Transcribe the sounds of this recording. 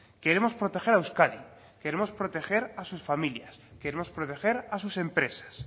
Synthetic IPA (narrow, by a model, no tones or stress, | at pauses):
ke̞ɾe̞mo̞spɾo̞t̪e̞xe̞ɾawskaði | ke̞ɾe̞mo̞spɾo̞t̪e̞xe̞ɾasusfamiljaske̞ɾemo̞spɾot̪e̞xe̞ɾas̬use̞mpɾe̞sḁs